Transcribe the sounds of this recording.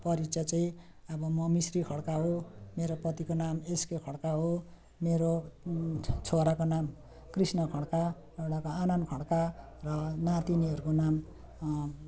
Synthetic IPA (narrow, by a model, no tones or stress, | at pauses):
pʌɾit͡sʰat͡saĩ | ʌbʌmʌmisrikʰʌɽkaɦomeɾopʌt̪ikonameskekʰʌɽkaɦo | meɾo | t͡sʰoɾakonam | krisnʌkʰʌɽka | eɽakoanʌnkʰʌɽka | rʌnat̪iniʌɾukonam